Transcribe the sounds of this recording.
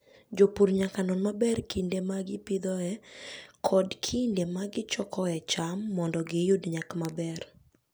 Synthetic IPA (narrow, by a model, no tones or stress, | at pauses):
d͡ʒopuɾɲakanɔnmabɛrkindemaɡɪpid̪ɔɛkʰɔdkʰindemaɡɪt͡ʃɔkʰɔɛt͡ʃamːɔndɔɡɪjudɲakmabɛr